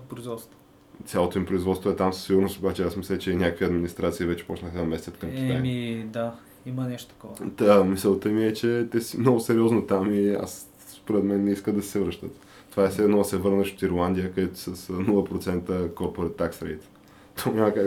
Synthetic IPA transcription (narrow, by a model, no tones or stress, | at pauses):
pɾʊizvɔt̪st̪vo | t̪sʲalˠot̪omipɾʊizvɔt̪st̪voɛt̪amsə̥sːiɡʊɾnost̪obat͡ʃɛasmislʲət͡ʃɛinʲakəkviɐd̪minist̪ɾat̪sivɛt͡ʃɛ̥pɔt͡ʃnəxəd̪ɐmɛst̪ʲət̪kəmkʲi̥ajid̪a | imənɛʃt̪o̥t̪ə̥kɔvd̪amisəlˠt̪ɛmiɛt͡ʃɛt̪ɛsimnɔɡʊsɛɾiɔznot̪amia̰s | spoɾɛt̪mɛnːɛiskəd̪ɐsɛ̥sɛvɾəʃt̪ət̪ | t̪ːovaɛsɛɛd̪nɔɐsɛvɤɾnəʃot̪iɾlˠand̪ʲijəkɐd̪ɛt̪ʊ̥səsnulˠəpɾot̪sɛnt̪əkoɾpoɾɛt̪ːaksɾɛ̰t̪ | t̪ʰoɲʲaməka